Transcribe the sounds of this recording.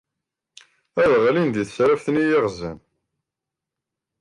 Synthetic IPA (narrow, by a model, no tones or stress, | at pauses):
æðʁlind̪iθsɾæfθnijeʁzæ̰n